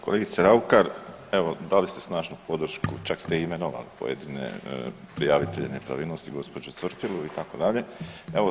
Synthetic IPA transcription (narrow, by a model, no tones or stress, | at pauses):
koleɡit̪seɾaukaɾ | e̞ʋo̞d̪alist̪e̞snaːʒnupo̞d̪r̩ʃkut͡ʃakst̪eime̞noʋa̰lḭpojed̪inḛpɾijaʋit̪eʎenepɾa̰ʋiːlnost̪iɡo̞spo̞d͡ʒut̪sʋr̩t̪ilˠuit̪ako̞d̪aʎe̞e̞o